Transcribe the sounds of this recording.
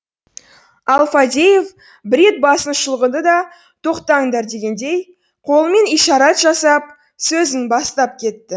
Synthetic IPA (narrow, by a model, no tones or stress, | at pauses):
ɑlˠfad̪ʲejef | bɪɾe̞t̪̚bɑsənʃəlˠəʁənd̪əd̪ɑ | t̪ʰo̞qt̪ɑɴd̪ɑɾd̪e̞ɡʲe̞nd̪e̞j | qʰo̞lˠəme̞nijʃɑɾɑt̪ʒɑsɑp̚ | sɵzɪŋbɑst̪ɑp̚kʲʰe̞t̪ːɪ